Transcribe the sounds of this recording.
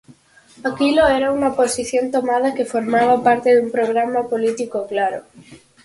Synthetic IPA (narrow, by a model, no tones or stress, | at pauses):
akiloɛɾauŋɐposiθjont̪omað̞ɐkefoɾmaβapaɾt̪eðumpɾoɣ̞ɾamapolit̪ikoklaɾo